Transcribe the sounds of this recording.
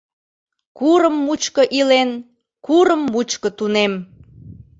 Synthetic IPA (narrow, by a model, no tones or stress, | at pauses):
kuɾəmːut͡ɕkəʔilen | kuɾəmːut͡ɕkət̪unem